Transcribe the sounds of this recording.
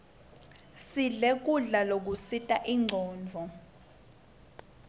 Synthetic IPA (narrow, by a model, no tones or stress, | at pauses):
siɮek̬ʼuɮalok̬usitʼaʔiŋ͡ǀʱɔːnd͡vʱɔ